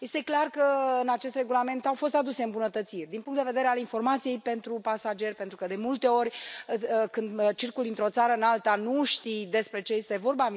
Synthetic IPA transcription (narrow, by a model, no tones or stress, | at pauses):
je̞st̪e̞klarkəɨnat͡ʃe̞st̪re̞ɡulame̞nt̪awfo̞s̬t̪ad̪use̞ɨmbunət̪ət̪sirʲd̪inpuŋkt̪d̪eve̞d̪e̞ɾealinfo̞rmat̪sije̞jpe̞nt̪ɾupasad͡ʒe̞rʲpent̪ɾukəd̪e̞mult̪e̞o̞rʲ | kɨnd̪t͡ʃirkuld̪int̪ɾo̞t̪saɾəɨnalt̪anuʃt̪id̪e̞spɾe̞t͡ʃeje̞st̪e̞vo̞rbav